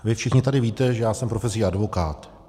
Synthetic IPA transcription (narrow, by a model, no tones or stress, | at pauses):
vɪfʃɪxɲɪt̪adɪviːt̪ɛʒɛjaːsɛmpɾofɛsjiadvo̞kaːt̪